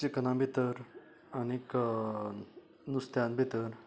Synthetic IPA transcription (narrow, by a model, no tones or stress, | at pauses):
ikənãmbʱet̪əɾ | anik | nust̪janbʱet̪əɾ